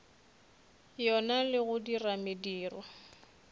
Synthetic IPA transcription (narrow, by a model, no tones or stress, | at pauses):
jɔnalɪɣʊdiramediːrɔ